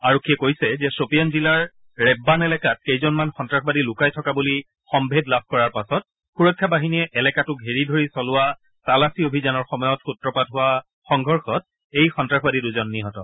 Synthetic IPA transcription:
aɹokʰːijɛkojsɛzɛsopijɔnzilaɹ | ɹɛbːanɛlɛkat̚kejzɔnmanxɔntɹaxbadilʊkajtʰɔkabuli | xɔmbʱedlab̚ʱkɔɹaɹpasɔt̚ | xuɹɔkʰːabaɦiniɛʔɛlɛkatʊkɦeɹidʱoɹisɔlʊwa | talasiobʱizanɔɹxɔmɔjɔtxutːɹɔpatɦʊwa | xɔŋɡʱɔɹxɔt̚ | ejxɔntɹakʰɔbadiduzɔnːiɦɔtɔ̰

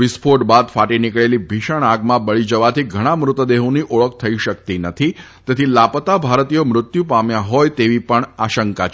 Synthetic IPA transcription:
ʋispʰoʈbad̪faʈinikɭelibʱiʃəɳaɡmãbəɭid͡ʒəʋat̪ʰiɡʱəɽ̃amɾʊt̪əd̪eɦũniʔoɭəkt̪ʰəiʃəkt̪inət̪ʰi | t̪et̪ʰilapət̪abʱaɾt̪ijomɾʊt̪jupamjaɦɔjt̪eʋipəɳaʃəŋka

